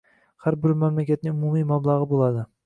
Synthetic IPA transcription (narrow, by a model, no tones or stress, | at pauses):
haɾbɪɾmamlakʲat̪̚nɪŋʊmumijmablˠaʁɨbolˠad̪ɪ